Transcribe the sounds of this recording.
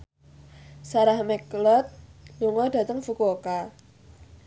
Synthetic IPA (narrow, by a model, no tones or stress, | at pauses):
saɾahmɛklɔt̪̚luŋɔd̥ä̤t̪əŋfukoka